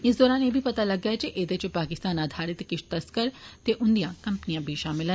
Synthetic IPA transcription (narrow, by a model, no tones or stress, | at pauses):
ɪsd̪ɔːɾaːnjebʱipɐt̪alɐɡat͡ʃʰeʔeːd̪et͡ʃopaːkɪst̪aːnaːd̪ʱaːɾɪt̪kɪʃt̪ɐskəɾt̪eʔʊ̃nd̪ijãkɐ̃mpnijãbʱiʃaːmɪlɦə̃